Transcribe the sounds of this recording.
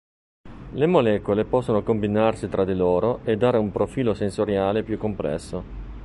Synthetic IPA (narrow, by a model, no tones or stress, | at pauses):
lemolɛːkolepɔsːonokombinarsit̪ɾad̪iloːɾoed̪ːaːɾeumpɾofiːlosensoɾjaːlepjukːomplɛ̰sːo